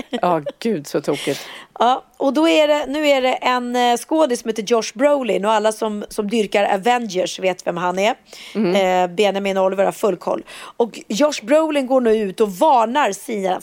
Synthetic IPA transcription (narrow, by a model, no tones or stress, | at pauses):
ɑːɡ̥ʉ̟ːd̪sɔt̪ʰuːkɪt̪ʔɑːʔɔd̪ɔæɖɛnʉ̟ːæɖɛʔɛnskoːd̪ɪsɔmheːt̪əjɔʂbɾoʊlɪnɔalːasɔmsɔmd̪ʏɾkaɾa̰vɛnd͡ʒəʂveːt̪vɛmɦanɛ | benjamɪnɔlvəɾhaɾfɵlːkʰɔ̰lːɔkjɔʂbɾoʊlɪnɡoːɳʉ̟ːʉ̟ːt̪ɔvɑːɳaɾsiːna